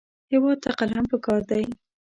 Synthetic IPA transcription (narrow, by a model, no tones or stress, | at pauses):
hɪwɑd̪̚t̪aqalɦampəkɑɾd̪aj